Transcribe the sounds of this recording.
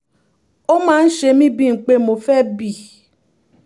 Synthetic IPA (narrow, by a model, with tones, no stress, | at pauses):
o˦mãː˦n̩˦ʃe˧mĩ˦bi˦ŋ̩˨k͡pe˦mo˨fɛ˦bi˦˨